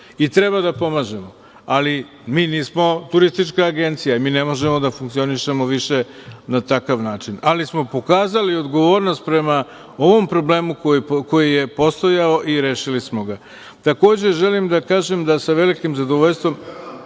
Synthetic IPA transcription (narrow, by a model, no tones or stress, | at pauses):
it̪ɾebad̪apo̞maʒe̞mo | ali | miːniːsmo̞t̪uɾist̪it͡ʃkaːɡe̞nt̪sijamiːne̞mo̞ʒe̞mo̞d̪afuŋkt̪sio̞niʃe̞moʋiʃe̞nat̪akaʋnaːt͡ʃinalismo̞po̞kaːzalio̞d̪ɡo̞ʋo̞ːɾnost̪̚pɾe̞ma | o̞ʋo̞mpɾo̞ble̞ːmukoko̞jije̞po̞st̪o̞jao̞ʔiɾe̞ːʃilismo̞ɡa | t̪ako̞ːd͡ʑe̞ʒe̞limd̪akaːʒemd̪asaʋe̞likimzad̪oʋo̞ʎʲst̪ʋo̞m